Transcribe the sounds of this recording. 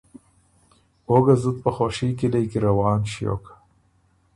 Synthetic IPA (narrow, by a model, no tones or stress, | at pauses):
oɡazut̪̚pəxoʃikilejkiɾawɑːnʃijo̰kḁ